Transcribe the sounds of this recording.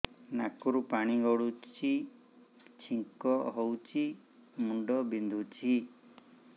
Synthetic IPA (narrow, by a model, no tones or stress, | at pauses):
nakuɾupaɽ̃iɡɔɽut͡ʃʰi | t͡ʃʰiŋkɔɦowt͡ʃʰi | muɳɖɔbind̪ʱut͡ʃʰi